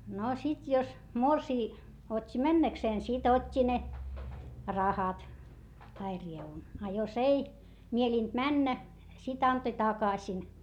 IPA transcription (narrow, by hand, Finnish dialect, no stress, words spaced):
no sit jos morsiː otʲːi mænːækseːn sit otʲːi ne rɑhɑt tɑi rieʋun ɑ jos ei mieliˑnt mænːæ sit ɑntoĭ tɑkɑsin